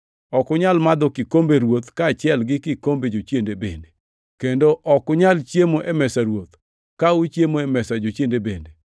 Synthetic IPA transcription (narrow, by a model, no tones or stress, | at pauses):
ɔkʊɲalmad̪ɔkɪkombeɾwot̪kaːt͡ʃɪɛlɡɪkɪkombed͡ʒot͡ʃjendebḛnde | kendoʔɔkʊɲalt͡ʃjemoʔɛmɛsaɾwot̪ | kaut͡ʃjemoɛmɛsad͡ʒot͡ʃjendebende